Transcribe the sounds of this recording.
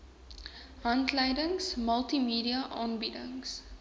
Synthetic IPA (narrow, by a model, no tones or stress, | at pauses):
ɦɐntləjdəŋsməlˠtimiːdiɐʔɑːnbidə̰ŋs